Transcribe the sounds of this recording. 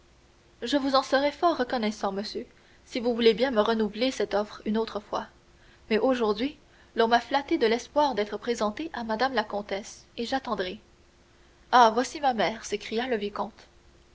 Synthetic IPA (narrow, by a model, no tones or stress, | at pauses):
ʒəvuzɑ̃səʁɛfɔʁːəkɔnɛsɑ̃məsjø | sivuvulebjɛ̃məʁənuvlesɛt̪ɔfχynot̪χəfwa | mɛʔoʒuʁd̪ɥi | lɔ̃maflat̪ed̪əlɛspwaːʁd̪ɛːt̪χəpχezɑ̃t̪eʔamad̪amlakɔ̃t̪ɛseʒat̪ɑ̃d̪ʁɛ | avwasimamɛːʁsekχijaləvjikɔ̃t̪